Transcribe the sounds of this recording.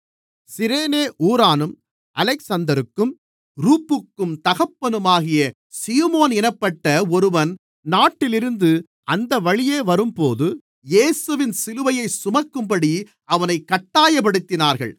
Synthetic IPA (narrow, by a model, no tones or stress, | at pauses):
sɪɾeːneːʔuːɾaːnɯm | ʔɐlɛɪksɐnd̪ɐɾɯkːɯm | ɾuːpːɯkːɯmt̪ɐɣɐpːɐnɯmaːɣɪjɐ | siːmoːnɛnɐpːɐʈːɐɔɾɯʋɐn | naːʈːɪlɪɾɯnd̪ɯ | ʔɐnd̪ɐʋɐɻɪjeːʋɐɾɯmpoːðɯ | jeːsɯʋɪnsɪlɯʋɐjɐɪsʊmɐkːɯmpɐɽi | ɐʋɐnɐɪkːɐʈːaːjɐpɐɽɯt̪ːɪnaːɾɣɐ̰ɭ